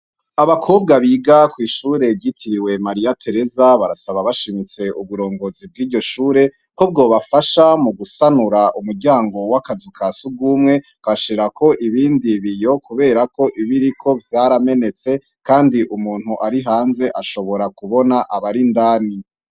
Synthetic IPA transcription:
aβakʰoːbɡaβiɡakwiːʃuːɾe̞ɟitʰiɾiwe̞maɾijatʰe̞ɾe̞zaβaɾasaβaβaʃimit͡se̞ʔuβuɾo̞ːŋɡo̞zib̚ɡiːɾɟo̞ʃuːɾe̞ | kob̚ɡo̞ːβafaʃamuɡusanuɾaʔumuɾɟaːŋɡo̞wakazikʰasuɡuːmŋe̞ | kaʃiɾakʰo̞ʔiβiːndiβijo̞kuβe̞ːɾako̞ʔiβiɾikʰo̞vtaːɾame̞ne̞t͡se̞ | kaːndiʔumuːn̥huʔaɾiɦaːnze̞ʔaʃo̞βo̞ɾakuβo̞naʔaβaɾindaːni

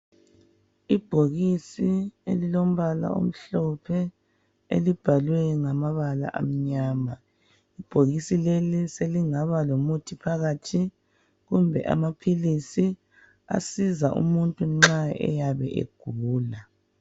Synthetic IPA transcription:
ib̥ʱoɣisiḛlilom̩βala̰o̰m̩ɬɔpʰɛ | ḛlib̥ʱalwɛŋamaβala̰ʔa̰m̩ɲaːma | ib̥ʱoɣisileliseliŋaβalomutʰipʰaɣatʰi | ɣumbʱɛ̰ʔa̰mapʰilisi | a̰sizaʔṵmuntʼuŋ͡ǁaɛ̰jaβɛʔḛɡ̥ʱuːla

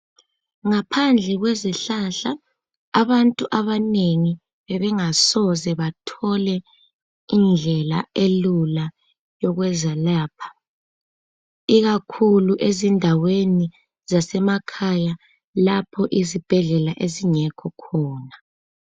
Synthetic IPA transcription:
ŋapʰand͡ɮʱɛɣwezɛɬaɬaː | βantʼuʔaβaneŋi | βɛβɛŋasɔzɛβatʰɔlɛ | ind͡ɮʱɛlaelula | jɔɣwɛzalaːpʰḁ | iɣakʰuluʔezindʱaweni | zasɛmakʰaja | lapʰɔʔizib̥ʱɛɮɛlaʔeziŋɛkʰɔkʰɔːna

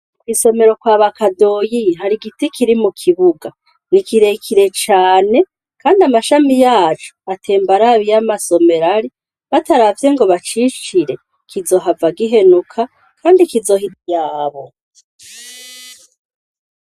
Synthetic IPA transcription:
ukiso̞me̞ɾo̞kwaːβakado̞jiɦaɾiɡitikʰiɾimukʰiβuɡa | nikiɾe̞kʰiɾe̞t͡ʃaːne̞ | kaːndiamaʃamijaːt͡ʃu̥atʰe̞ːmbaɾaβijamaso̞me̞ɾaɾi | βataɾavje̞ŋɡo̞βat͡ʃit͡ʃiɾe̞ | kʰizo̞ɦavaɡiɦe̞nukʰa | kʰaːndikizo̞ɦidjaːβo̞

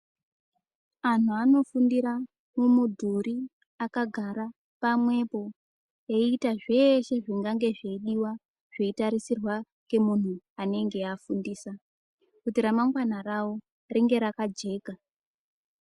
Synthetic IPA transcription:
an̤uano̞fundiɾa | mumudʱuɾi | akaɡʱaɾa | pamwe̞po̞ | eitaʐe̞ʃe̞ʐiŋɡaŋɡe̞ʐe̞iɗiwa | ʐ̥e̞itaɾisirwa | ke̞mun̤u | ane̞ŋɡeafundiːsa | kutiɾamaŋɡwanarao̞ | riŋɡe̞ɾakad͡ʒe̞ːka

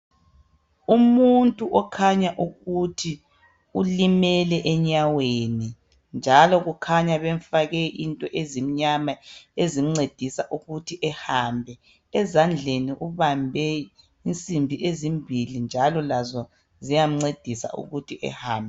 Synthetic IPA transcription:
umuntʼuʔɔkʰaɲaʔuɣutʰi | ulimɛlɛʔɛɲaweni | nd͡ʒʱalɔɣukʰaɲaβeɱfaɣɛʔintʼɔʔezim̩ɲamaezim̩ŋ͡ǀed̥ʱisaʔuɣutʰiʔɛhaːmbʱɛ | ɛzand͡ɮʱeniʔuβambʱɛ | int͡sʼimbʱiʔezimbʱilind͡ʒʱalɔlazɔ | zijam̩ŋ͡ǀed̥ʱisa̰ṵɣutʰiʔɛ̰haːmbʱɛ

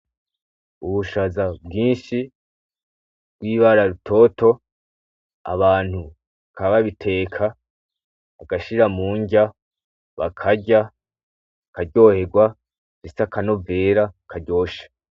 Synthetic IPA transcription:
uβuʃazabɡiːnʃi | b̥ɡwiːβaɾaɾutʰo̞ːto̞ | a̰βaːn̥hu | kaβaβitʰe̞ːkʰaː | ɡaʃiɾamuːɲɟa | βa̰kʰaɟa | kaɾɟo̞he̞ɡwa | zisakano̞ve̞ːɾakʰaɟo̞ːʃḁ

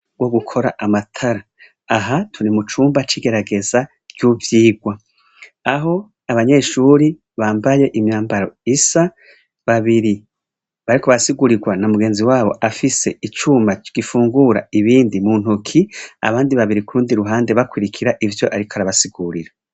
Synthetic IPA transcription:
ɡ̥wo̞ɡukʰo̞ɾaʔamatʰaɾa | aɦatʰunimut͡ʃuːmbat͡ʃiːɡe̞ɾaɡe̞za | ɟuːvjiːɡwa | aɦo̞ | aβaɲe̞ʃuɾi | βaːmbaje̞ʔimɲaːmbaɾo̞isa | βaβiɾi | βaɾikoβasiɡuɾiɡwanamuɡe̞ːnziwaːβo̞̰ʔafise̞it͡ʃuːmbaɡ̥ifuːŋɡuɾa̰iβiːndimun̥ukʰia̰βaːndiβaβiɾikuɾuːndiɾuɦaːnde̞βakwiɾikʰiɾaʔivjo̞ʔaɾikaɾaβasiɡuɾiɾa

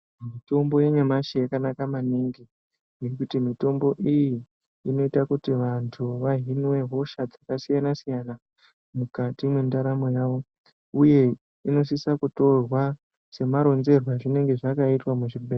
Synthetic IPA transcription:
mito̞mbo̞jeɲamaʃejakanakamaniŋɡi | jekutimito̞mbo̞ʔiji | ino̞itakutiʋantʰuʋaɦinwe̞ɦo̞ʃad͡zakasijanasijana | mukatimwendaɾamojaʋo̞ | uje̞ | ino̞sisakuto̞rwa | se̞maɾo̞nze̞rwaʐine̞ŋɡe̞ʐakaitwamuʐibʱeː

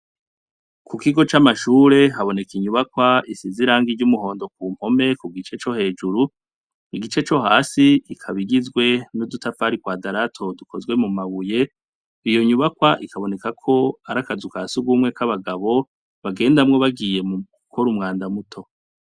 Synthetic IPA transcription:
kukiɡo̞t͡ʃamaʃuːɾe̞ɦaβo̞ne̞kiɲuβakwaisiziɾaːŋɡiɟumuɦo̞ːndo̞k̚uːm̥ho̞me̞kuɡit͡ʃe̞t͡ʃo̞he̞ːd͡ʒuɾu | iɡit͡ʃe̞t͡ʃo̞ɦaːsiikʰaβiɡizɡwe̞nudutafaɾikwaːdaɾatʰo̞dukʰo̞zɡwe̞mumaβuje̞ | ijo̞ɲuβakwaʔikʰaβo̞ne̞kakʰo̞aɾakazukasuɡumŋe̞kaβaɡaβo̞ | βaɡe̞ːndamŋo̞βaɡije̞muukʰo̞ɾumŋaːndamutʰo̞

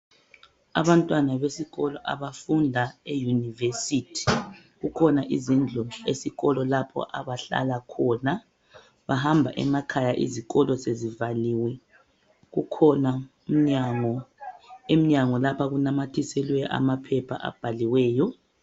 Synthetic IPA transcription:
a̰βantʼwanaβesiɣɔlɔʔa̰βafundʱaejunivesitʰi̥ | ɣukʰɔnaʔizind͡ɮʱɔesiɣɔlɔlapʰɔ̰ʔaβaɬa̰lakʰɔna | βaɦambʱa̰ʔɛ̰makʰajaʔḭziɣɔlɔsezivaliːwɛ | ɣukʰɔna | um̩ɲaŋɔ | em̩ɲaŋɔlapʰaɣunamatʰisɛlwɛjʔa̰mapʰɛpʰa̰ʔa̰b̥ʱaliwɛːjɔ

